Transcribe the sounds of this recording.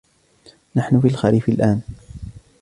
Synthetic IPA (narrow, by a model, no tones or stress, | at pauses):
naħnʊfialxaɾiːfɪlʔaːn